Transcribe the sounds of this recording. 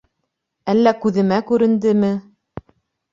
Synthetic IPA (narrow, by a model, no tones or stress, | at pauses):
ælːækʉðɘ̆mækʉɾɘ̆nd̪ɘmɘ